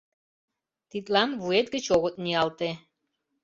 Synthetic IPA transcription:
t̪it̪lɑnβuet̪̚ɡə̆t͡ɕoɣət̪̚niɑlt̪e

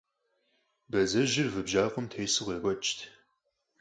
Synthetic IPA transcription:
bɐzɐʒɪrvɨbʒaːqʷʊmtʰejsɨʁʷeːɡʷɐt͡ʃʼtʰ

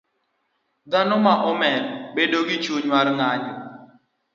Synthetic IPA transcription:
d̪anɔmaʔɔmɛnbedoɡɪt͡ʃuɲwaɾŋaɲɔ

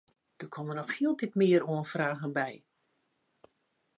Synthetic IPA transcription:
d̥ərkʰɔmənɔxhiəlˠtitmɪːəɾoənfraːɣənbɛj

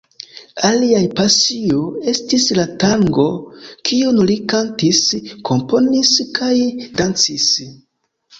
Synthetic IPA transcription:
aliajpasioe̞stislataŋɡo̞kʰiunulikantiskʰo̞mpo̞niskajdant͡sis

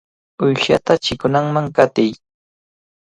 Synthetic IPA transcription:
ʊjʃa̰t̪at͡ʃɪkʊnaŋmaŋkat̪ɪj

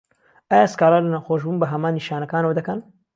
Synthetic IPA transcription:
ʔaːjaskaːlalɐnawxoːʃbuːnbɐɦɐmaːnːiʃaːnɐkaːnɐwɐd̪ɐkɐn

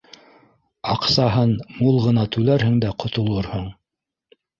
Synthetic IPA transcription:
ɑqsɑɦɤnmulˠʁɤ̆nɑt̪ʉlæɾɦɘ̆ŋd̪æqŏt̪ŏlˠɤɾhoɴ

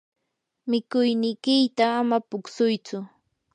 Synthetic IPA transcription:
mɪkʊjnɪkɪjt̪aːmapʊksʊjt͡sʊ

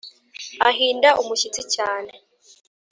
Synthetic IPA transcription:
aɦiːndaʔumuʃit͡sicaːne̞

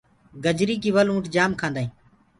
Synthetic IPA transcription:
ɡəd͡ʒɾiːk̬iːʋəlũːʈd͡ʒaːmkʰãːnd̪aːĩː

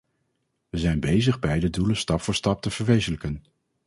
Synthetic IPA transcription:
ʋəzɛjnbejzəχbɛjdəduləstɑpfʊːɹstɑp̚təv̥əɹʋejzələkən

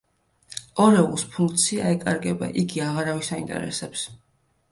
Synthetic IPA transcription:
ɔɾɛulˠspʰuŋkʰt̪sʰiaɛkʼaɾɡɛba̰ʔiɡiaʁaɾavisaint̪ʼɛ̰ɾɛ̰sɛps

